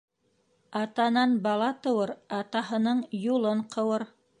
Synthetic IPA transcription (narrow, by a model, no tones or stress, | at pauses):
ɑt̪ɑnɑnbɑlˠɑt̪ɤ̆wɤɾɑt̪ɑhɤ̆nɤɴjulˠɤɴqʰɤ̆wɤɾ